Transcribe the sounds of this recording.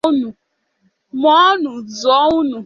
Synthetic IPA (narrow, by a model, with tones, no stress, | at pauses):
nu˨ | mɔ˦nu˨zɔ˨˦u˦nu˨